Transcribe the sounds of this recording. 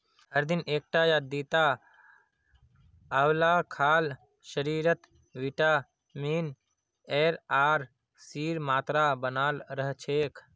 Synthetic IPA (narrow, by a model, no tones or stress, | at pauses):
ɦəɾd̪ineːk̚ʈajad̪it̪a | əwlakʰaːl | ʃəɾiɾət̪ | ʋiʈa | min | eɾaɾ | siɾmaːt̪ɾabənaːlɾəɦt͡ʃʰekʰ